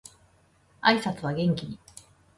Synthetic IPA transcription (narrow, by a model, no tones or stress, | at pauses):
aisat͡sɨβ̞aɡẽ̞ŋkʲiɲ̟i